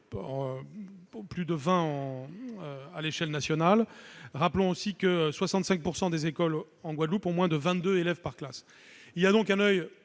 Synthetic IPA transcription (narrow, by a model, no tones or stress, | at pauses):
plyd̪əvɛ̃ɑ̃ | aleʃɛlnasjɔnalʁaplɔ̃osikəswasɑ̃t̪sɛ̃k̚puʁsɑ̃d̪ezekɔl | ɑ̃ɡwad̪lupɔ̃mwɛ̃d̪əvɛ̃t̪d̪øelɛvpaʁklas | ilijad̪ɔ̃kɛ̃nœj